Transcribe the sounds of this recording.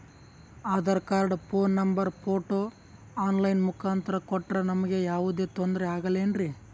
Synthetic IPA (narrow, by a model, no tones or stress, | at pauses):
aːd̪ɐɾɐkaːɾɖpʰoːnːɐmbɐɾpʰoːʈoː | aːnlɐjnmukʰaːnt̪ɐɾɐkɔʈːɾɐnɐmɐɡe̞jaːʋud̪e̞ːt̪ond̪ɾeaːɡɐleːnɾi